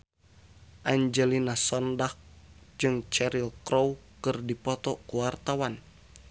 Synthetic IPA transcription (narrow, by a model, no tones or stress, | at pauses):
ʔaɲd͡ʒɛlinasɔndak̚d͡ʒɨŋt͡ʃɛɾilkɾɔwkɨrdipɔt̪ɔkuwart̪awan